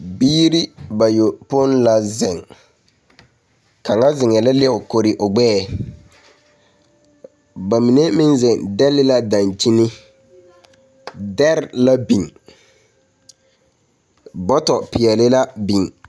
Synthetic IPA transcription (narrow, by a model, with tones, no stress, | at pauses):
biː˦ɾi˦ba˨jo˨pʊ˦nla˨zɪ˨ŋ | ka˨ŋa˦zɪ˨ŋɛ˨la˦lɪ˦˨ʊ˨ko˨ɾɪ˨ʔʊ˨ɡ͡bɛː˦ | ba˨mi˨ne˦mɪ̃˦nzɪ˨ŋdɛ˦lɪ˦la˦da˨nti˦nɪ˦ | dɛ˦ɾla˦bi˨ŋ | bɔ˦tɔ˨pɪ˨ɛ˨lɪ˦la˦bi˨ŋ